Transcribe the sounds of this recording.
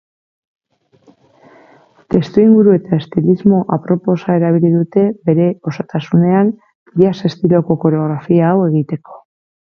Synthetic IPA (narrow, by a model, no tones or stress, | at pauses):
t̪e̞st̪uiŋɡuɾue̞t̪ae̞st̪ilizmo̞ʔapɾo̞po̞sae̞ɾaβ̞iliðut̪e̞be̞ɾe̞o̞sat̪asune̞an | ase̞st̪ilo̞ko̞ko̞ɾeo̞ɣɾafiaːwe̞ɣ̞it̪e̞ko̞̥